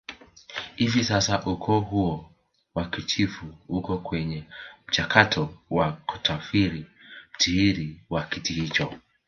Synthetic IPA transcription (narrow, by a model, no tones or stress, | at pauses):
hivisasaʔukʰɔːɦuɔ | wakit͡ʃifuhukɔkwɛɲɛm̩t͡ʃakʰatʰɔwaku̥tʰafiɾim̩tʰiiɾiwakitihit͡ʃɔ